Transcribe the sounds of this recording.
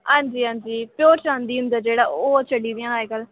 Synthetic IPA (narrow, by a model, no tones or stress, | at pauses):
hãːnd͡ʒiːɦãːnd͡ʒiːpjoːɾt͡ʃãːnd̪iːʊ̃nd̪əːd͡ʒeːɽaːoːt͡ʃʰəɖiːd̪ɪjãːaːekəl